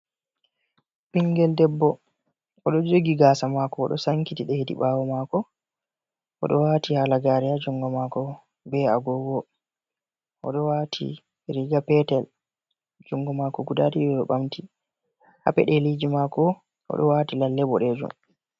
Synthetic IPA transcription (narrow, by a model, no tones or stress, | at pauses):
piŋɡɛldɛbːɔ | ʔɔɗɔd͡ʒoɡiɡasamakɔːɗɔ̰saŋkitiɗɛhedḭɓaːwɔmakɔ | ʔɔ̰ɗɔwaːtihalaɡaːɾɛjad͡ʒɔŋɡɔmakɔ | bɛaɡɔɡɔ | ʔɔ̰ɗɔwaːtʰḭ | ɾiɡapɛtɛl | d͡ʒɔŋɡɔmaːkɔɡudadiɓɛɓɛɓamti | ha̰pɛ̰ɗɛlid͡ʒimakɔ | ʔɔ̰ɗɔ̰waːtilalːɛbɔɗɛd͡ʒṵm